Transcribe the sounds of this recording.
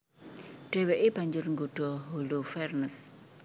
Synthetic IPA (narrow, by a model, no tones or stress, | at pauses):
ɖ̥eweʔɪbaɲd͡ʒʊrŋɡuɖ̥ɔɦulufɛrnəs